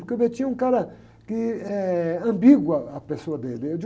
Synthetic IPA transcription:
oɾkeovet͡ʃĩɲɐũkaɾɐ | kɪɛɐ̃mbiɡwɐɐpesoɐd̪elɪed͡ʒ

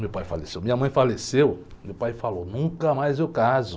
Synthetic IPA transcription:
mewpajfalesewmĩɲɐmɐ̃j̃falesew | mewpajfalownũkɐmajzewkazʊ

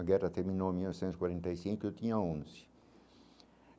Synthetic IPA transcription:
ɐɡɛrɐt̪eɾmĩnõmiwnɔvisẽnt̪zikwaɾẽnt̪ɐjsĩŋkʊewt̪ĩɲɐaõzɪ̥

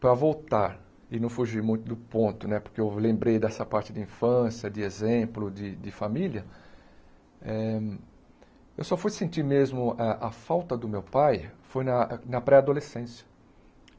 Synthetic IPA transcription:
pɾɐvowt̪aɾ | ɪnɐ̃w̃fuʒiɾmũj̃t̪ʊd̪ʊpõnt̪ʊnɛpʊɾkeewlẽmbɾejd̪ɛsɐpaɾt͡ʃɪd̪ɪĩfɐ̃sjɐd̪ɪezẽplʊd͡ʒ̪ɪd̪ɪfamiliɐ | ɛ | ewsɔfujsẽnt̪iɾmezmʊaʔɐfawt̪ɐd̪ʊmewpajfojnɐnɐpɾɛad̪olesẽsjɐ̥

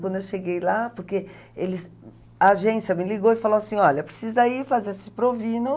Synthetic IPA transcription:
kwɐ̃nd̪ʊewʃeɡejlapoɾke | elɪs | aːʒẽsjɐmɪliɡowɪfaloasĩɔʎɐpɾe̥sizɐifazeɾsɪpɾovĩnʊ

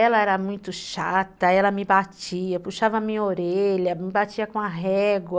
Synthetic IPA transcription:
ɛlɐɛɾɐmũj̃t̪ʊʃat̪ɐɛlɐmɪbat͡ʃiɐpuʃavɐmĩɲoɾeʎɐmɪbat͡ʃiɐkõɐɦɛɡlɐ

